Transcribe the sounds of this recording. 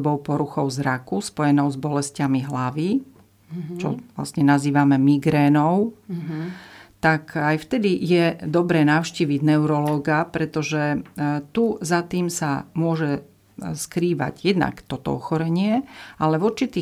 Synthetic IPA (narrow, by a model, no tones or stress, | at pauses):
bɔʊpɔɾuxɔʊzɾakuspɔjɛnɔʊzbɔlɛscamiɦlaʋi | t͡ʃɔ̰ʋla̰sɲɛnaziːʋamɛmiɡɾɛːnɔʊ | t̪akajft̪ɛd̪ijɛd̪ɔbɾɛːnaʊʃciːʋiɟnɛʊɾɔlɔːɡapɾɛt̪ɔʒɛt̪uzat̪iːmsamʊɔʒɛ | skɾiːʋa̰ɟjɛd̪na̰kt̪ɔt̪ɔ̰ɔ̰xɔɾɛɲɪɛʔalɛvuɾt͡ʃit̪iː